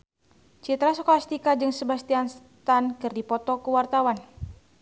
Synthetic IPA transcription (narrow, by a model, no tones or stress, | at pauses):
t͡ʃit̪ɾasokalast̪ikad͡ʒɨŋsəbast̪ians | t̪ankɨrdipɔt̪ɔkuwart̪awan